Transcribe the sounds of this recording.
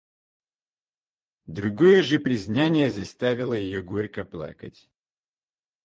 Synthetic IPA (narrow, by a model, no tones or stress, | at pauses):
d̪ɾʊɡojəʐɨpɾʲɪzʲnanʲɪjəzɐst̪avʲɪlˠəjɪjoɡoɾʲkəplˠa̰kə̰tʲ